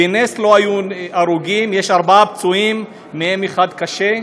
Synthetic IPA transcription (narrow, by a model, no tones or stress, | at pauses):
eneslo̞ajuaʁuɡimjeʃaʁbaap̚t͡suimː | eemeχad̪kaʃe̞